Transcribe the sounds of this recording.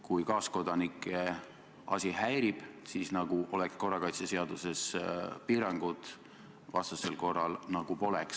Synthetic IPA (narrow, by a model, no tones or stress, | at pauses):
kujkɑːsko̞d̪̥ɑnikːˑe | ɑ̰sʲiɦæjɾib̥siːsnɑɡ̥uʔo̞lɛksko̞rːɑkɑjt̪sese̞ɑd̪̥use̞spiːɾɑŋɡ̥ud̪̥ | vɑ̰st̪use̞lko̞rːɑ̰lnɑɡ̥upo̞leks